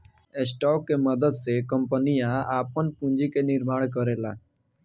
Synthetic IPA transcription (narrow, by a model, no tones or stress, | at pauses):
esʈɔːkːeməd̪əd̪sekəmpənijãaːpənpũnd͡ʒikenɪɾmaːɽk̬əɾeːlaː